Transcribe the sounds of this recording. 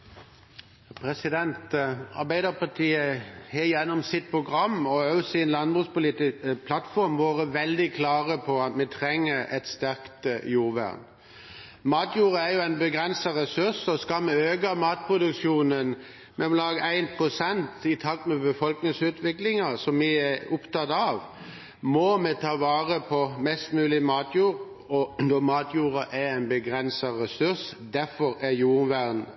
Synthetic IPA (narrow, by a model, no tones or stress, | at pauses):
pʰɾɛsɪd̪ɛnt̪ɑ̰ʁbæɪd̪əpɑt̪ʰiːəhɛjɛnːɔmsɪt̪̚pʰʁʊɡʁɑmɔøsɪnlɑnbʁʉːspʊliːt̪ɪpʰlɑt̪fɔʁmʋoːʁəʋɛld̪ɪkʰlɑːʁəpʰɔɑt̪mɛt̪ʰʁɛŋːəɾɛt̪st̪æʁkt̪əjuːʋæ̰ʁn | mɑːt̪juːʁəæɾjʊæɪnbəɡʁɛnsəʁɛsʉʁsɔskɑmɛøːkɑmɑːt̪̚pʰʁʊd̪ʉkʃjuːnən | mɛmɔlɑːɡəæɪnpʰʁʊsɛnt̪ɪt̪ʰɑk̚t̪mɛbəfɔlknɪŋsʉːt̪ʰʋɪklɪŋɑsɔmːɪæʊpt̪ʰɑt̪ɑʋ | mɔmɛt̪ʰɑːʋɑːʁəpʰɔmɛst̪mʉːlɪmɑːt̪ʰjuːʁ | ɔnɔmɑːt̪ʰjuːʁɑʔææɪnbəɡʁɛnsɑʁɛsʉsd̪æʁfɔɾæjuːʁʋæʁn